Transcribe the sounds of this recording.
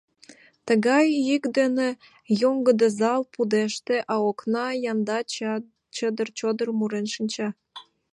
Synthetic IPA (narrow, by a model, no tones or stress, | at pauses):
t̪əɣɑjikd̪ene | joŋɡəd̪ezɑlpud̪eʃt̪eʔɑoknɑjɑnd̪ɑ | t͡ɕəd̪ərt͡ɕod̪ərmuɾenʃinʲt͡ɕɑ